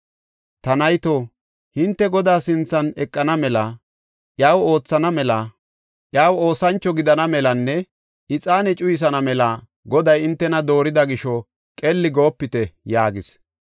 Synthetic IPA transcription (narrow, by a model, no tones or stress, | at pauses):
t̪ɐnɐjt̪oː | hɪnt̪ːɛɡɔd̪aːsɪnt͡sːɐnɛkʼːɐnɐmɛlɐ | ʔjaːwo̞ːt͡sːɐnɐmɛlɐ | ʔjaːwo̞ːsɐnt͡ʃːɔɡɪd̪ɐnɐmɛlɐnːɛ | ɪt͡sʼaːnɛt͡ʃʼʊjɪs̬ɐnɐmɛlɐ | ɡɔd̪ɐjɪnt̪ːɛnɐd̪o̞ːɾɪd̪ɐɡɪʃɔ | kʼɛlːɪɡo̞ːpːɪt̪ɛjaːɡɪs